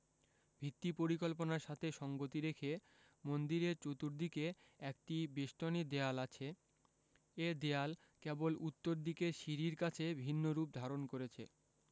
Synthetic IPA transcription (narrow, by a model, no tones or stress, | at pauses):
bʱit̪ːipoɾikolponaɾʃat̪ʰeʃɔŋɡot̪iɾekʰe | mond̪iɾeɾt͡ɕot̪uɾd̪ike | ɛk̚ʈibeʃʈonid̪ealat͡ɕʰe | ed̪eal | kebolut̪ːoɾd̪ikeɾʃiɾiɾkat͡ɕʰebʱinːoɾup̚d̪ʱaɾonkoɾet͡ɕʰḛ